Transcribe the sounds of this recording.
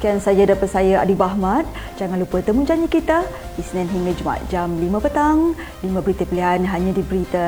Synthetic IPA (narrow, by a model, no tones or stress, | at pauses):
kiansajadapat̪̚sajaa̰dibaɦmat̪̚ | d͡ʒaŋanlupət̪əmud͡ʒaɲikit̪aisnɛ̃nɦiŋɡəd͡ʒuma̰a̰t̪̚d͡ʒamlimə̃pət̪aŋ | limãbəɾit̪əpəliɦanɦaɲãdibəɾit̪ə